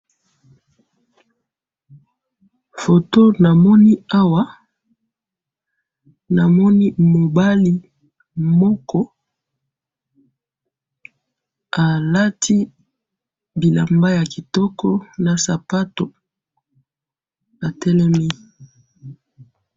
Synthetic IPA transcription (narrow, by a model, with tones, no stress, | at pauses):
fo˨to˦na˨mɔ˦ni˦a˦wa˦ | na˨mɔ˦ni˦mo˨ba˦li˦ | mɔ˦kɔ˦ | a˨la˦tʰi˦ | bi˨la̰˨mba˦ja˨ki˨tɔ˦kɔ˦na˨sa˨pa˦to˨ | a˨tɛ˦lɛ˦mi˦